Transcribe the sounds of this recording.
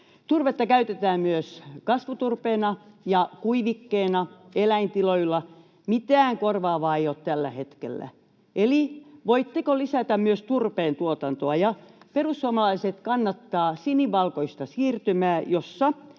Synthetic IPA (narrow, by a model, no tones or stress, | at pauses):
t̪urʋet̪ːɑkæyt̪et̪æːmmyøskɑsʋut̪urpeːnɑjɑkuiʋikːeːnɑelæint̪iloilːɑ | mit̪æːŋkorʋɑːʋɑːeijoːt̪t̪ælːæhet̪kḛlːæ̰ | eliʋoit̪ːekolisæt̪æmmyøst̪urpeːnt̪uot̪ɑnt̪oɑjɑperusːuomɑlɑiset̪kɑnːɑt̪ːɑːsiniːɑlkoist̪ɑsiːrt̪ymæːjosːɑ